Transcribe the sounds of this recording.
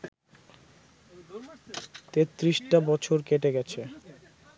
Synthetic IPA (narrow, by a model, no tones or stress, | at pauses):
t̪et̪ːɾiʃʈabɔt͡ɕʰoɾkeʈeɡɛt͡ɕʰe